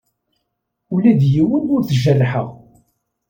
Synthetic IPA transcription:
ulæðjiwənd̪ʊɾθʒərːħə̰ʁ

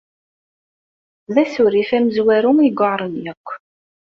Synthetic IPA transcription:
ðæsʊɾifæməzwæɾʊŋiɡʷəɾˤənjækʷː

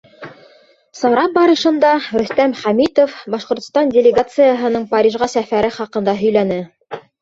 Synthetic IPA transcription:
sɑɾɑp̚bɑɾɤ̆ʃɤ̆nd̪ɑɾɵ̆st̪æmχæmit̪ofbɑʃqŏɾt̪ŏ̥st̪ɑndʲɪlʲɪɡat̪sɨjəɦɤ̆nɤɴpɑɾʲiʒʁɑsæfæɾɘχɑqɤ̆nd̪ɑɦɵ̆jlænɘ

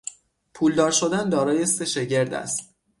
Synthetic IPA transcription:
pʰuːld̪ɒːɾʃo̞d̪ænd̪ɒːɾɒːje̞se̞ʃe̞ɟe̞ɾd̪æ̰st̪

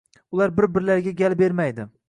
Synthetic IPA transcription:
ʊlˠaɾbɪɾbɪɾlaɾɡʲaɡʲalˠbeɾmajd̪ɪ

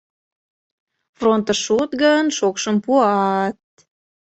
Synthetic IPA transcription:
front̪əʃut̪ɡənʃokʃəmpuɑt̪̚

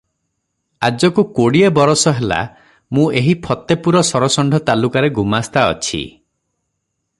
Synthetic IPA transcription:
ad͡ʒɔkukoɽiebɔɾɔsɔɦela̰ | mũeɦipʰɔt̪epuɾɔsɔɾɔsɔɳɖʱɔt̪alukaɾeɡumast̪aɔ̰t͡ʃʰḭ

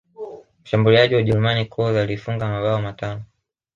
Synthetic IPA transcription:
m̩ʃambuliaʄiwaʄɛɾumanikʰɔzalifuŋɡamaɓaɔmatanɔ

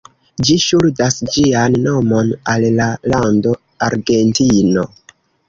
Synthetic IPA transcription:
d͡ʒiʃuldasd͡ʒianːo̞mo̞nallalando̞ | aɾɡe̞ntino̞

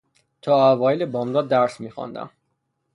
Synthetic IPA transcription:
t̪ʰɒːævɒːelebɒːmd̪ɒːd̪ːæɾsmiːxɒ̰nd̪æ̰m

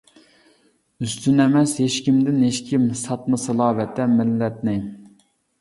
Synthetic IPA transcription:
yst̪ynɛmɛsheʃkʲimd̪ɪnɦeʃkʲʰimsɑt̪mɨsɨlˠɑːvɛt̪ʰːɛmɪlːɛt̪̚nɪ

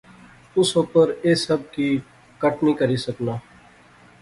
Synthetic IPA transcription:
ʊsopəɾeːsəb̚ki | kəʈnikəɾisəknaː

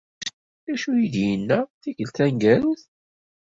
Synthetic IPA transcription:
æʃujiðjənːæθiʝəlt̪æŋɡælθ

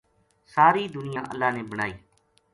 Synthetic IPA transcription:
saːɾiːd̪ʊnɪjãːʔə̰lːaːneːbəɽ̃aːiː

